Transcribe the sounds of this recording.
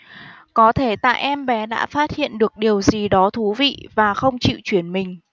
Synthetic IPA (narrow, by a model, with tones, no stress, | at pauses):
kɔ˨˦t̪ʰe˧˩t̪a̰ː˧˨jʔɛ˧mɓɛ˨˦ɗa̰ː˧˥faː˦˥t̚hḭ˧˨ənɗɨ˨˩ək̚ɗi˨˩əwzi˨˩ɗɔ˨˦t̪ʰu˨˦vḭ˧˨vaː˨˩xə˧wŋ͡mt͡ɕḭ˧˨t͡ɕwi˧˩ənmï˨˩ŋ̟